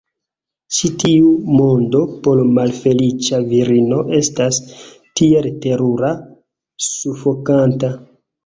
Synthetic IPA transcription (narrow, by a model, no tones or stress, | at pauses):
t͡ʃitiumo̞ndo̞po̞ɾmalfe̞lit͡ʃaviɾino̞ʔe̞stas | tie̞lte̞ɾuɾa | sufo̞kanta